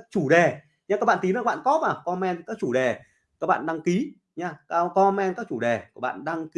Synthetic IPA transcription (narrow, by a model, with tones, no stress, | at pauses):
t͡ɕu˧˩ɗe˨˩ | ɲa˧kaː˦˥ɓa̰ː˧˨t̪i˨˦nː˨˧˨ɓ̰ːkɔ˨˦maː˨˩kɔ˧mɛ˧nkaː˦˥k̚t͡ɕu˧˩ɗe˨˩ | kaː˦˥k̚ɓa̰ː˧˨nɗa˧ŋki˨˦ | ɲa˧kːkɔ˧mɛ˧nkaː˦˥k̚t͡ɕu˧˩ɗe˨˩kaː˧˦˩ɓa̰ː˧˨nɗa˧ŋki˨˦